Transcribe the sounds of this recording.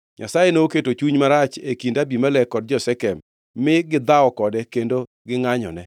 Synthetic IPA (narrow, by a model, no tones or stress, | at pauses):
ɲa̰sajenoːketot͡ʃuɲmaɾat͡ʃekindabimalɛkɔd̚d͡ʒɔsɛkɛmː | ɪɡɪd̪aɔkɔdɛkendo | ɡɪŋaɲɔ̰nɛ